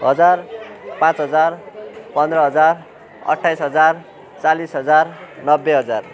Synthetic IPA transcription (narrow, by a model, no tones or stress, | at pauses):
ɦʌd͡zarpãt͡sɦʌd͡zarpʌnd̪ɾʌɦʌd͡zar | ʌ̰ʈʰːajsɦʌd͡zar | t͡salisɦʌd͡zarnʌbːeɦʌd͡zar